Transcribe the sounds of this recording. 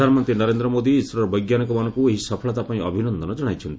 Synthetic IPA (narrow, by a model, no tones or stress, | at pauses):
anmɔnt̪ɾinɔɾend̪ɾɔmod̪iːswɔɾɔɾɔbɔjɡjanikɔmanɔ̃kueɦisɔpʰɔɭɔt̪apaĩɔbʱinɔnd̪ʱɔnɔd͡ʒɔɽ̃ajt͡ʃʰɔnt̪i